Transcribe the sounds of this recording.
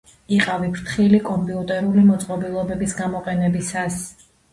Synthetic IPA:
iqʼavipʰɾt̪ʰχilikʼɔmpʼiut̪ʼɛɾulimɔt̪sʼqʼɔbilˠɔbɛbisɡamɔqʼɛnɛbisas

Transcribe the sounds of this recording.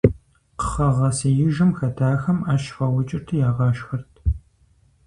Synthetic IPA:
qə̥χɐʁɐsijɪʒɨmxɐtʰaːxɐmaːʃfɐwʊt͡ʃʼɪrtʰɨjaːʁɑːʃxɐrtʰ

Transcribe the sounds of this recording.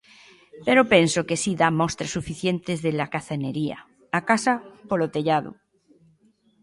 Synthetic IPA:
peɾopensokesiðamost̪ɾasːufiθje̞nt̪ezðelakaθeneɾia̰ | akasapolot̪eʎaðo̰

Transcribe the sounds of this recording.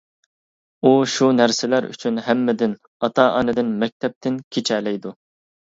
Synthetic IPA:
uʃunæɾsɪlæɾy̰t͡ʃʰynhæmːɪd̪ɪn | ɑt̪ʰɑɑ̰ːnɨd̪ɪnmɛk̚ʲt̪ʰɛp̚t̪ʰɪnkʲʰet͡ʃʰɛlɛjd̪u

